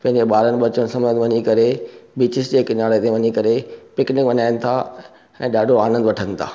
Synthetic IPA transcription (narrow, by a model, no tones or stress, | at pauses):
pɐ̃ɦɪ̃ɲd͡ʑeɓaːɾənɪ̆ɓɐt͡ɕəɽ̃sɐmə̃nʋɐɲikɐɾebiːt͡ɕɪsd͡ʑeːkɪnaːɭet̪ʰeʋɐɲikɐɾepɪknɪ̃kʋɐɲaːɪnɪ̆t̪ʰa | ɛ̃ːɗaːɖʱoaːnə̃nd̪ʋɐʈʰənɪt̪ʰa̰ː